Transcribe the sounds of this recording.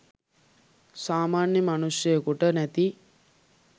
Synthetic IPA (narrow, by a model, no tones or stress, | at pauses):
saːmaːnjəmanusjəjəkuʈənæt̪i